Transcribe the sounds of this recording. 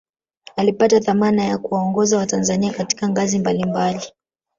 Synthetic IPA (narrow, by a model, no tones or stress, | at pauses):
alipataθamanajakuwaɔŋɡɔzawatanzaniakati̥kaŋɡazimbalimbali